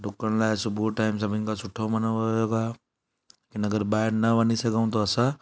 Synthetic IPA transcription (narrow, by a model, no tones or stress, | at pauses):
ɖʊkəɽ̃lajsʊbʱuʈaːɪmsɐbʱənkasʊʈʰːomɐnəojoɡa | ekinɐɡəɾbaːɪɾnɐʋənisɐɡaũt̪oːsa